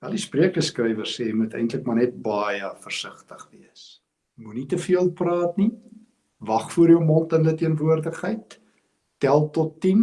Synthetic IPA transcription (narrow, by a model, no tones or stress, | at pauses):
vɐldispriəkχəskrɛjvərsseːmutɛ̰jntləkmɑnɛt̚bɑjəfərsəχtəχviəs | munitəfiəlˠprɑːtni | vɐχfuəɾiəmɔntəndətiənvuərdəχəjtː | ælˠtɔtːim